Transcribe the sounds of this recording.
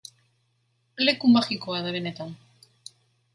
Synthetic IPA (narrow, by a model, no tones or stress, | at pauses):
le̞kumaxikoaðaβe̞ne̞t̪an